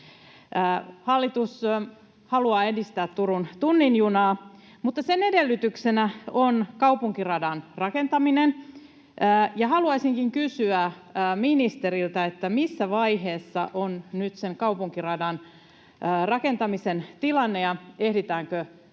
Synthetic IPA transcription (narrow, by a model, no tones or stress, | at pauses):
ʔːhɑlːit̪us | hɑluɑːedist̪æːt̪tuɾunt̪unːinjunɑː | mut̪ːɑsenedelːyt̪yksenæonkɑupuŋkirɑdɑnrɑkent̪ɑminenː | jɑhɑluɑisiŋkiŋkysyæː | minist̪eɾilt̪ɑet̪ːæmisːæʋɑiɦeːsːɑ̰ʔonnyt̪seŋkɑupuŋkirɑdɑnː | rɑkent̪ɑmisent̪ilɑnːejɑehdit̪æːŋkø